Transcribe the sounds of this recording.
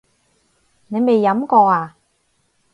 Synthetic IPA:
ne˨˧jme˨˩jːɐ˨˥mkɔː˧aː˨˧

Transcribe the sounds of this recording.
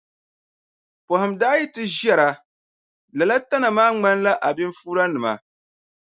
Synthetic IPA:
po˨hɨ˨mdaː˦jɛ˦tɨ˦ʒɛ˦ɾa˨ | la˨la˦ta˦na˨maː˦ŋ͡ma˦nla˦ʔa˨bi˦ɱ˦fuː˦ɾa˦nɨ˨ma̰˨

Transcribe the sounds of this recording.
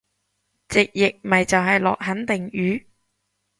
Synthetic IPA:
t͡sɪ˨k̚jɪ˨k̚mɐ˨jt͡sɐ˨wɦɐ˨jlɔ̰ː˨k̚ɦɐ˨˥nt̪ɪ˨ŋjyː˨˥

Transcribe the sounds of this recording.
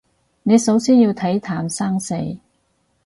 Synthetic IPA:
ne˨˧jsɐ˨˥wsiː˥njiː˧wt̪ʰɐ˨˥jt̪ʰaː˨˩msaː˥ŋse˨˧j

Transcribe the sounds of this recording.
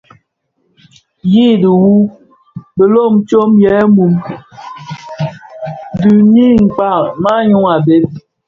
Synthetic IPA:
ji˦du˨wu˦ | bə˨lo˦˨m˨t͡ʃo˦mjɛ˨˦mu˨m | du˨ɲi˦ŋ̩˨k͡pa˦˨ma˦ɲu˦ŋa˨be˦p̚

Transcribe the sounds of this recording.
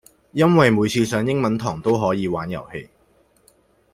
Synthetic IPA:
jɐ˥nwɐ˨jmuː˨˧jt͡sʰiː˧sœː˨˧ŋjɪ˥ŋmɐ˨˥nt̪ʰɔː˨˩ŋt̪o˥wɦɔː˨˥jiː˨˧waː˨˥njɐ̰˨˩whe˧j

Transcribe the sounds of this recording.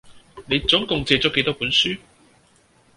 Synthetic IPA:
ne˨˧jt͡sʊ˨˥ŋkʊ˨ŋt͡sɛː˧t͡sɔː˨˥ke˨˧˥jt̪ɔː˥puː˨˥nsyː˥

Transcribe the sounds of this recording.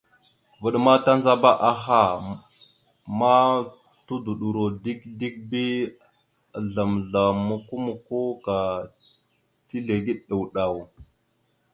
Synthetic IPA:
və˨ɗma˦ta˦nza˦ba˦ʔa˨xa˦˨ | ma˦ | tu˦du˨ɗu˨ɾo˨di˦kdi˦k̚bi˦˨ | ɮa˨mɮa˨mu˨ku˦mu˨ko˦ka˨ | ti˦ɮe˨ɡi˦ɗɗa˨wɗa˨w

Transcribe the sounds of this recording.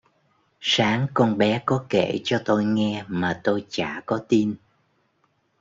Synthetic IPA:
saː˨˦ŋkɔ˧nɓɛ˨˦kɔ˨˦kḛ˧˩t͡ɕɔ˧t̪o˧jŋɛ˧maː˨˩t̪o˧jt͡ɕa̰ː˧˩kɔ˨˦t̪i˧n

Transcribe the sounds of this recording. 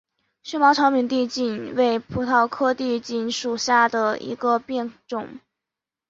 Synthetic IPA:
ɕɥɛ˥mɑ˧˥ʈ͡ʂʰɑ˧˥ʊpʰi˨˩nt̪̬i˥˧t͡ɕi˥˩nwe˥˩ɪpʰu˧˥t̪ʰɑ˥˧ʊkʰɤ˥˧t̪i˥˩t͡ɕi˧˩nʂu˨˩ɕja˥˩d̪ə˩ḭ˧˥ɡə˧pjɛ˥˩nʈ͡ʂʊ˨˩˦ŋ

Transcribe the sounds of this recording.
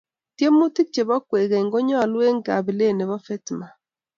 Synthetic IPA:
tje˦mu˦ti˦k̚t͡ʃe˨βɔ˦kwe˨ɣe˨ŋɡo˦ɲɔ˦˨lwe˦ŋɡa˨βi˨le˦˨ne˨βɔ˦fɛ˦tma˨

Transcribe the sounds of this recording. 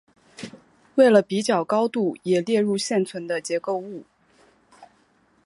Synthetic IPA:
we˥˩ɪlə˩pi˧˥t͡ɕjɑ˨˩ʊkɑ˥ʊt̪u˥˩jɛ˨˩ljɛ˥˧ɻu˥˧ɕjɛ˥˩nt͡sʰwə˧˥nd̪ə˧t͡ɕjɛ˧˥ko˥˧ʊu˥˩

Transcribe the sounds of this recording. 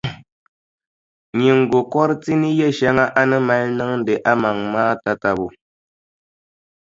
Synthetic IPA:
ɲi˨ŋ̩˨ɡo˨kɔ˦ɾti˦ni˦jɛ˦˨ʃɛ˦ŋa˦ʔa˦nə˦ma˦lnə˦ŋn̩˦de˨ʔa˦ma˨ŋmaː˦ta˦ta˨bo˨

